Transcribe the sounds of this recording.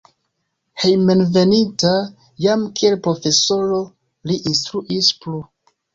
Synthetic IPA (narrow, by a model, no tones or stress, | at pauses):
hejmenve̞nita | jamkielpɾo̞fe̞so̞ɾo̞ | liʔinstɾuʔisplu